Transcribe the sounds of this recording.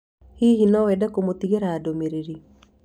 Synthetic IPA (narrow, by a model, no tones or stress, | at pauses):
hiɦinɔwɛdɛkomot̪iɣeɾaːdomeɾeɾi